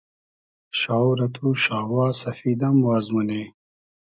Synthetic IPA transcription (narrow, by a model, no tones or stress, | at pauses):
ʃaːwɾɐt̪ʰuʃaːwaːsɐfid̪ɐmwaːzmɐne